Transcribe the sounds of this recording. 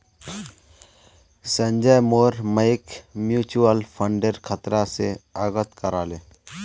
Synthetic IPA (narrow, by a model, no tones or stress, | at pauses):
sə̃nd͡ʒajmoːɾməɪkmjuːt͡ʃuəlpʰəɳɖeɾkʰət̪ɾaseaːɡət̪kəɾaːleː